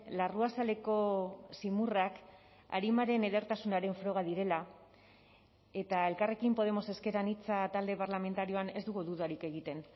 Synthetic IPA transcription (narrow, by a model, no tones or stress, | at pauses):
laruasale̞ko̞simurak | a̰ɾimaɾe̞neðe̞ɾt̪asunaɾe̞ɱfɾo̞ɣ̞aðiɾe̞la | e̞t̪ae̞lkare̞kimpo̞ð̞e̞mo̞se̞ske̞ɾanit͡sat̪ald̪e̞parlame̞nt̪aɾio̞anezd̪uɣuðuðaɾike̞ɣ̞it̪e̞n